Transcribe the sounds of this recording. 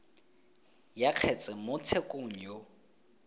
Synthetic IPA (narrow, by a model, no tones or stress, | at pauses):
jaq͡χʰɛt͡sʼɛmʊt͡sʰekʼoŋ̩jo